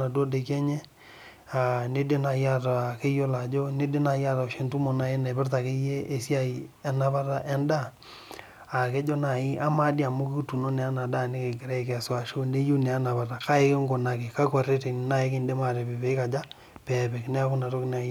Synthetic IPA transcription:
a˨do˦de˨kɛ˦ɲe˦ | a˨ne˦de˦na˨ja˦˨ta˨ke˦jo˦la˨d͡ʒo˦ne˦de˦na˨ja˦ta˨ʃe˨ntu˦mo˨na˨e˦na˨bɪ˦rta˨ke˦je˦e˨si˦a˦˨i˨ɛ˨na˨ba˦ta˦ʔɛ˦nda˦˨ | a˨ke˦d͡ʒo˦na˨ɪ˦ʔa˦ma˦di˦a˨mo˦ki˦tu˨no˦nɛ˨a˦na˨da˦˨ne˦ke˨ɡɪ˨ɾɛ˦e˨ke˨a˨swa˨ʃo˦ne˦ju˦ne˨a˦na˨βa˨ta˨ka˦e˦ke˦ŋɡo˨na˨ke˨ka˦kwa˨re˦te˨n˨na˦e˦ke˦˨nde˦ma˨ɾe˨be˨be˨i˦ka˨d͡ʒa˦ | pɛ˨be˨knɛ˦a˦kʊ˦na˨to˦kn˨a˨˦

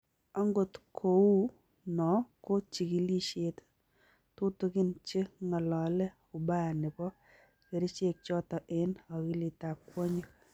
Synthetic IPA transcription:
ɔ˦ŋɡo˨tkʰo˨u˦ | nɔ˨ko˦t͡ʃi˨ki˨li˦ʃe˦t | tu˦tu˦ki˦nt͡ʃi˦ŋɔ˨lɔ˨lɛ˦ | ʊ˨ba˦˨nɪ˨pɔ˦ | ke˨ɾi˦t͡ʃe˦˨k̚t͡ʃɔ˦tɔ˨ʔe˦nɔ˨ki˦li˨ta˨pkwo˦ɲe˦

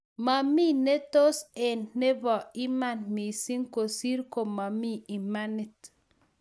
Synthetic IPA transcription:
ma˨mi˦ne˦to˦se˨nːe˦bɔ˨i˦ma˦˨nmi˨si˦ŋko˨si˦ɾko˨ma˨mi˦i˨ma˦ni˨t

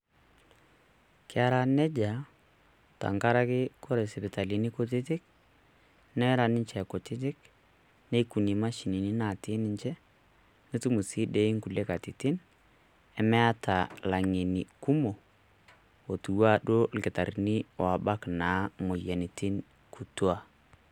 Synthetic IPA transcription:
kɪ˦a˦ɾa˦nɛ˦d͡ʒa˨ | ta̰˨ŋka˦ɾa˦kɪ˦ko˦ɾe˨sɛ˨pɪ˨ta˨li˨ni˦ko˨˦t̬ɪ˦t̬ɪ˦k̚ | nɛ˦ɾa˨nɪ˦ɲt͡ʃɛ˨ko˨tɪ˦t̬ɪ˦k | ne˦ku˨ni˨ma˦ʃi˨ni˨ni˦na˨tɪ˦nɪ˦ɲt͡ʃɛ˦ | ni˦tu˦mu˨si˦de˦i˦ŋku˨le˦ka˨ti˨tɪ˦n | ɛ˨mɛ˦a˦tʰa˨la˨ŋe˨ni˨ku˦mo˨ | o˨tu˨wa˦ɗo˦˨lkɪ˨ta˨ɾi˦ni˦wa˨ba˦kna˨˦mo˨jɛ˨ni˨ti˦n | kʰu˨tu˦a˨

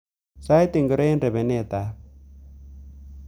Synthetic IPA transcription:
sa˦jt̪ɪ˨ŋɡɪ˨ɾe˦e˦nde˨bɛ˨ne˦˨t̪a˨˦

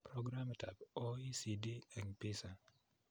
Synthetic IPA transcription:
pɾoɡɾamtʰa̰˨bo˦i˦si˨di˦ɛ˨ŋpisa˨

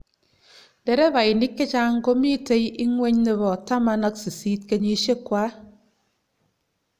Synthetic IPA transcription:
de˨ɾe˦ba˨i˨ni˦kːe˦t͡ʃa˦ŋ˦ko˦mi˦te˦ji˦ŋwe˦ɲne˦˨bɔ˨ta˦ma˨˧na˦k̚si˨siː˦t̚ke˦ɲi˦ʃe˦kwa˦

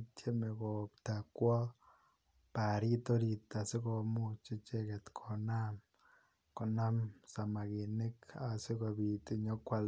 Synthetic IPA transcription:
tʰje˦me˨ko˨pta˨kwɔ˦ | pa˨ɾi˦to˦ɾi˨ta˨se˦ko˦mu˦t͡ʃe˦t͡ʃe˦ke˨t̪kʰo˨na˦m | ko˨na˦msa˨ma˨ɣe˨ne˦kase˦ɣo˨βi˨ti˦ɲo˦kwa˦l

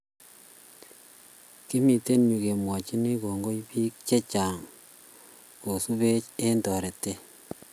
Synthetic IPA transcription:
ki˦mi˨te˦nɲu˨ke˨mwɔ˨t͡ʃi˦ni˦ko˨ŋɡo˦jpi˦k̚t͡ʃe˦t͡ʃaː˨ŋ | ko˨su˦be˦t͡ʃe˦ntɔ˨ɾe˨te˦

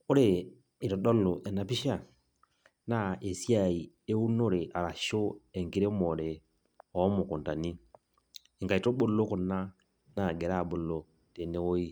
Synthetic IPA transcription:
o˦ɾe˨ | e˨tɔ˨ɗɔ˦lo˨ʔɛ˨na˨pi˦ʃa˦˨ | na˦e˨sja˦˨i˨e˦u˦no˦ɾe˨ʔa˨ɾa˨ʃo˦ɛ˨ŋki˦ɾe˦mɔ˨ɾe˨ | ɔ˨˦mo˨ko˨nta˨ni˦ | e˨ŋka˨i˨to˦bo˦lo˦ko˨na˦ | na˨ɡɛ˨ɾa˦˨bo˦lo˨ | te˨ne˦wo˦i˦

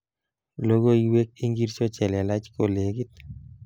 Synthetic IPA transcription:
lo˦ɡo˦iwe˦k̚i˦ŋɡi˦ɾt͡ʃɔ˦t͡ʃɛ˨lɛ˨la˦t͡ʃko˨le˨ɡi˦t̪

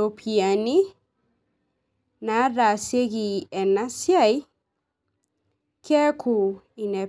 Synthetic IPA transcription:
o˨pʰi˨a˨ni˦ | na˨˦ɾa˨se˦ɣi˨ɛ˨na˦sja˦˨j | kʰɛ˦kʰu˨i˨nɛ˨

